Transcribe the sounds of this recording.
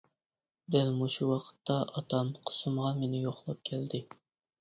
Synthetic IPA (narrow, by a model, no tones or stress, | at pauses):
d̪ɛlmuʃuwɑqʰə̥t̪ːɑʔɑt̪ʰɑmqʰə̥sɨmʁɑmenɪjoχlˠɑp̚kʲʰɛld̪ɪ